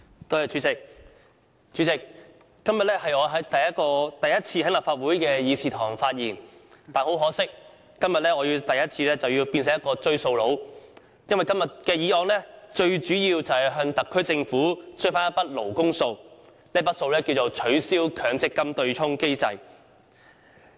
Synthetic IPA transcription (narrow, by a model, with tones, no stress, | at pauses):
t̪ɔː˥jɛ˨˩t͡ʃyː˨˥t͡sɪ˨k̚ | t͡ʃy˨˥t͡sɪ˨k̚ː | ɐ˥mjɐ˨t̚lɛː˥ɦɐ˨jɔː˨˧ɦɐ˨˥jt̪ɐ˨jɐ˥kɔː˧t̪ɐ˨jɐ˥t̚t͡sʰiː˧hɐ˨˥laː˨p̚faː˧t̚uː˨˥jkɛː˧jiː˨˧siː˨t̪ʰɔː˨˩ŋfaː˧t̚jiː˨˩nt̪aː˨˩nho˨˥wɦɔː˨˥sɪ˥k̚ː | ɐ˥mjɐ˨t̚lɛː˥ɔː˨˧jiː˧wt̪ɐ˨jɐ˥t̚t͡sʰiː˧lɛː˥t͡sɐ˨wjiː˧wpiː˧ns̬ɪ˨ŋjɐ˥kɔː˧t͡ʃɵ˥ɥso˧wlo˨˥w | jɐ˥nwɐ˨jkɐ˥mjɐ˨t̚kɛː˧jiː˨˥ɔː˧nlɛː˥t͡ʃɵ˧ɥt͡ʃyː˨˥jiː˧wt͡sɐ˨whɐ˨jɦœː˧ŋt̪ɐ˨kʰːɵ˥ɥt͡sɪ˧ŋfuː˨˥sɵ˥faː˥jɐ˥pɐ˥t̚lo˨˩wkʊ˥ŋso˧w | neː˥pɐ˥t̚so˧wlɛː˥kiː˧wt͡so˨wt͡ʃʰɵ˨˥ɥsiː˥wkʰœː˨ŋt͡sɪ˥kːɐ˥mt̪ɵ˧ɥt͡ʃʰʊ˥ŋke˥jt͡sɐ˧j